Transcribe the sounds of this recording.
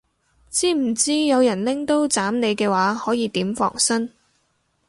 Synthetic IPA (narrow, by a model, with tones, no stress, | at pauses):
t͡siː˥m̩˨˩t͡siː˥jɐ˨˧wjɐ˨˩nlɪ˥ŋt̪o˥wt͡saː˨˥mne˨˧jkɛː˧waː˨˥hɔː˨˥jiː˨˧t̪iː˨˥mfɔ̰ː˨˩ŋsɐ˥n